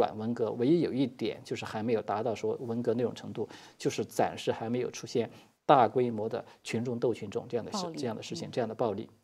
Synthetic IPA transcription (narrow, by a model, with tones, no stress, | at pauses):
wa̰˨˩nwə˧˥nkɤ˧˥we˧˥ɪ˥jo˨˩ʊi˥˩t̪jɛ̰˨˩˦nt͡ɕjʊʂɻ̩˥˩xa˧˥ɪme˧˥ɪjo˨˩ʊt̪a˧˥t̪ɑ˥˩ʊʂwɔ˥wə˧˥nkɤ˧˥na˥˩ʈ͡ʂʊ˨˩ŋʈ͡ʂʰɤ˧˥ŋt̪u˥˩ | t͡ɕjo˥˧ʂɻ̩˥˩t͡sa̰˨˩nʂɻ̩˥˩xa˧˥me˧˥ɪjo˨˩ʊʈ͡ʂʰu˥ɕjɛ˥˩n | t̪a˥˩kwe˥ɪmwɔ˧˥d̪ə̰˧t͡ɕʰy˧˥nʈ͡ʂʊ˥˧ŋt̪o˥˩ʊt͡ɕʰy˧˥nʈ͡ʂʊ̰˥˩ŋʈ͡ʂɤ˥˧jɑ˥˩ŋd̪ə˩˥ʈ͡ʂɤ˥˧jɑ˥˩ŋd̪ə˩ʂɻ̩ʰ˥˩i˨˩ŋʈ͡ʂɤ˥˧jɑ˥˩ŋd̪ə˩pɑ˥˧ʊlḭ˥˩